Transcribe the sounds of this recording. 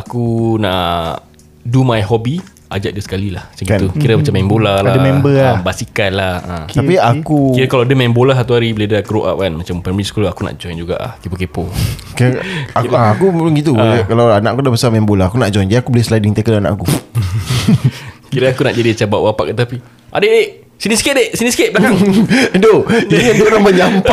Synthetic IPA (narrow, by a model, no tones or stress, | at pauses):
akunaʔ | dumajɦɔbi | a̰d͡ʒaʔ̚dəsə̥kalilahmat͡ʃamɡit̪ukiɾamat͡ʃamːɛ̃mbolaladəmɛ̃mbəabasikanlahat̪apiakukiɾkalawdəmɛmbolaɦat̪uaɾibəledəkəɾoʔa̰p̚kanmat͡ʃampɛmiskulakuna̰ʔd͡ʒɔjnd͡ʒuɡa̰ʔa̰hkepəkepo | kakaakuɡit̪̬ukalawanaʔakudabəsamɛmbolahakunaʔd͡ʒɔjnd͡ʒadiakubolehsəladiŋt̪akədana̰ʔku | kiɾaakuna̰ʔd͡ʒadiat͡ʃabaʔwapa̰ʔkat̪api | ʔa̰dəde | siniskedesiniskeblakaŋdoiiŋat̪unaməɲampa